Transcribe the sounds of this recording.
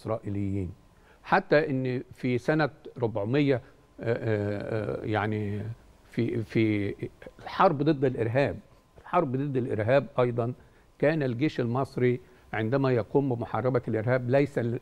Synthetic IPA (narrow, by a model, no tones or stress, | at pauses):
sɾˤɑːʔɪlɪjːiːn | ħat̪ːæʔɪnːfisænæɾobʕomejːæ | jaʕni | fifi | lħɑɾˤbd̪ˤɨd̪ːɪlʔɪɾɦæːb̚ | elħɑɾˤbd̪ˤɨd̪ːɪlʔḛɾɦæːbʔɑjd̪ˤɑn | kæːnælɡeːʃelmɑsˤɾi | ʕend̪æmæjɑquːmbɪmoħɑrˤːɑbælʔeɾhæːblæjsæ